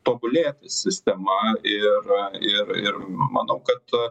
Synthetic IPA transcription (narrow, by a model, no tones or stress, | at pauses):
t̪oːbʊlʲeːt̪ʲɐsʲɪsʲt̪ʲɛmɐɪɾɪɾɪrmɐ̰nɐʊkɐt̪